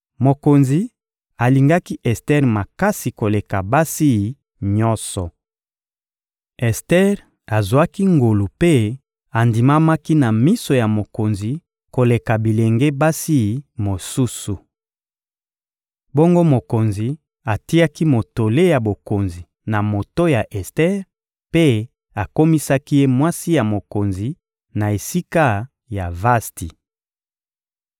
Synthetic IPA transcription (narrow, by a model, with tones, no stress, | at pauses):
mo˨ko˨nzi˨ | a˨li˨ŋɡa˦ki˦ʔɛ˨stɛ˦ʁma˨ka˦si˨ko˨le˨ka˨ba˦si˦i˨ | ɲɔ˦sɔ˨ | ɛ˨stɛ˦ʁ | a˨zwa˦ki˦ŋɡo˨lu˨pe˦ | a˨ndi˨ma˦ma˦ki˦na˨mi˦so˨ja˨mo˨ko˨nzi˨ | ko˨le˨ka˨bi˨le˨ŋɡe˦ba˦si˦i˨mo˨su˦su˨ | bo˦ŋɡo˦mo˨ko˨nzi˨ | a˨ti˦ja˦ki˦mo˨to˨le˦ja˨bo˨ko˨nzi˨ | na˨mo˨to˦ja˨ʔɛ˨stɛ˦ʁ | pe˦ | a˨ko˦mi˦sa˦ki˦je˦mwa˦si˦ja˨mo˨ko˨nzi˨ | na˨e˨si˦ka˦ | ja˨va˦sti˨